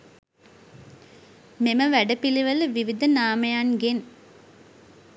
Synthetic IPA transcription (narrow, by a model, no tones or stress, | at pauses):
meməʋæɖəpiliʋələʋiʋid̪ənaːməjanɡen